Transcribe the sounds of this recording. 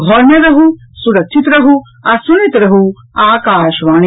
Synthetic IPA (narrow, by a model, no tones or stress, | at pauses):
ɡʱɔɾnjɐɾɐɦu | suɾɐkʃʰit̪ɾɐɦu | asuɾit̪ɾɐɦu | aːkaːʃʋaːɽ̃i